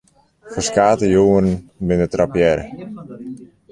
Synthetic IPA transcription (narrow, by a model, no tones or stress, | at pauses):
fərskaːtəjuːərnbɪnətrapjɛɾə